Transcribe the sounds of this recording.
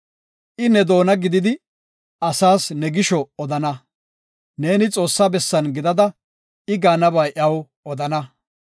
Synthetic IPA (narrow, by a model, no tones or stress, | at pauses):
ʔɪnɛd̪o̞ːnɐɡɪd̪ɪd̪ɪ | ʔɐsaːsnɛɡɪʃɔɔd̪ɐnɐ | ne̞ːnɪt͡sʼo̞ːsːabɛsːɐnɡɪd̪ɐd̪ɐ | ɪɡaːnɐbɐjʔɐw | ɔd̪ɐnɐ